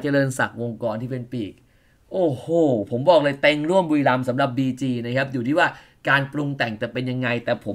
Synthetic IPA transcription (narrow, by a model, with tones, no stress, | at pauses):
t͡ɕa˨˩lɤː˧nsa̰˨˩k̚wo˧ŋkɔː˧nt̪ʰiː˥˩p̬e˧npiː˨˩k̚ | ʔoː˧˩hoː˨˩pʰo˩˦mbɔː˨˩k̚lɤː˧jt̪e˧ŋɾu˥˩əmbu˧jla˧msa˩˦mɾa˨˩p̚biː˧t͡ɕiː˧na˦˥kʰa˦˥p̬̚juː˨˩t̪ʰiː˥˩waː˥˩ | kaː˧npɾu˧ŋt̪ɛ˨˩ŋt̪ɛː˨˩pe˧nja˧ŋːa˧jt̪ɛː˨˩pʰo˩˦